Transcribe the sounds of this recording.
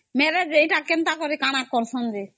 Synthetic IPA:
meɾed͡ʒejʈakent̪akoɾikañaɾkɔɾsɔnd͡ʒe

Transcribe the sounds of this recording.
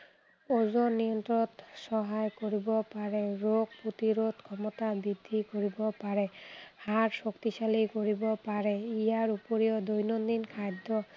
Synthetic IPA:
ɔzɔnːijɔntɔɔtsɔɦajkoɹibɔpaɹɛɹoɡ̚put̪iɹotkʰɔmɔtabidʱːikoɹibɔpaɹɛhaɹsɔktisalikoɹibɔpaɹɛijaɹupoɹijɔd̪ojnɔnd̪inkʰajdʱɔ

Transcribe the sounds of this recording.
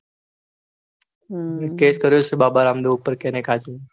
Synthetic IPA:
ẽkeskəɾjot͡ʃʰebabaɾamd̪oupːəɾkenekʰad͡ʒʰe

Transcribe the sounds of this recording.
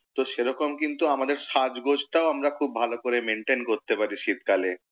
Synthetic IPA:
t̪oʃeɾɔkomkint̪uamad̪eɾʃad͡ʑɡod͡ʑʱʈaoamɾakʰubbʱalokoɾemeɳʈenkoɾt̪epaɾiʃit̪kale

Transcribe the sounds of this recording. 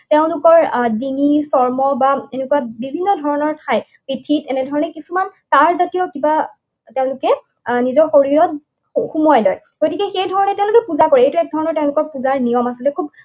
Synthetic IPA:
teʊ̃lʊkɔɹdiŋisɔɹmɔbaenɛkuwabibʱinːɔdʱɔɹɔnɔɹtʰaj | pitʰitɛnɛdʱɔɹɔnɛkisumantaɹzatijɔkiba | teʊ̃lʊkɛ | nizɔɹxoɹiɹɔt̚ | xumɔjlɔj | ɡ̥otikɛxejdʱɔɹɔnɛteʊ̃lʊkɛpuzakɔɹɛejtuɛk̚dʱɔɹɔnɔɹteʊ̃lʊkɔɹpuzaɹnijɔmasilɛkʰub̚

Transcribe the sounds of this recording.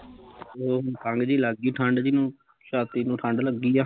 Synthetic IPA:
oːkə̃ŋɡd͡ʒiːləɡiːʈʰə̃ɳɖd͡ʒinũː | ʃaːt̪iːnũːʈʰə̃ɳɖləɡːiːaː

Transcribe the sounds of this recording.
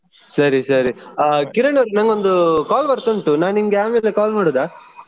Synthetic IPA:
sɐɾisɐɾikiɾɐɳɐɾnɐŋɡond̪ukaːlbɐɾt̪oɳʈunaːniŋɡeaːmeːlekaːlmaːɽoːd̪aː

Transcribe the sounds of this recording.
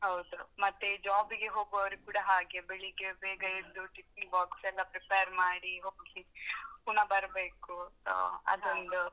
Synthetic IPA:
ɦɐwd̪umɐt̪ːed͡ʒaːbiɡeɦo̞ːɡuɐʋɐɾikuːɽaɦaːɡebeɭiɡebeːɡɐid̪uʈipiŋbaːksɛlːɐpɾipejɐɾmaːɽiɦoːksipunɐbɐɾbeːkuso̰ːɐ̰d̪ond̪u

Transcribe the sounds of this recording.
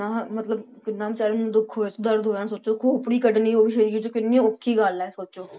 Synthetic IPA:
naːmət̪ləbkɪnːãːbt͡ʃaːɾend̪ʊkʰːoːed̪əɾd̪ɦoːjãːsoːt͡ʃoːkʰoːpɽiːkəɖniːoːbiːʃeɾd͡ʒõːt͡ʃoːkɪnːĩõːʊkʰːiːɡalɛːsoːt͡ʃoː

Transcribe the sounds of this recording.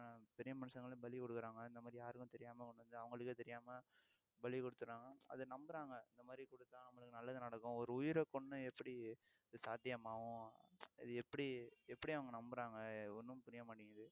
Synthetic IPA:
pɛɾɪjɐmɐnɯsɐŋɡɐɭbɐlikɔɽɯkːɯɾaːŋɡɐɪnd̪ɐmaːd̪ɾijaːɾɯkːʊ̃t̪ɛɾɪjaːmɐkɔɳɖɯʋɐnd̪ɯɐʋɐŋɡɐɭɯkːeːt̪ɛɾɪjaːmɐ | bɐlikɔɽɯt̪ːɯɾaːŋɡɐɐ̰ðɯnɐmbɯɾaːŋɡɐɪnd̪ɐmaːd̪ɾikɔɽɯt̪ːãːnɐmːɐɭɯkːɯnɐlːɐðɯnɐɽɐkːʊ̃ɔɾɯʊjɪɾɐkːɔɳːɯ̃ɛpːɐɽi | ɪðɯsaːd̪ʱjɐmaːʋʊ̃ɪ̰ðɯɛpːɐɽiɛpːɐɽiɐʋɐŋɡɐnɐmbɯɾaːŋɡɐɔnːɯmpʊɾɪjɐmaːʈːɪŋɡɐðɯ

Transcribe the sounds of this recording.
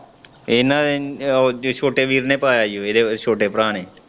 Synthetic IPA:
enãːd̪e | t͡ʃʰoːʈeːʋiːɾnẽːpaːjaːjoːeːd̪eːt͡ʃʰoːʈeːpəɾaːneː

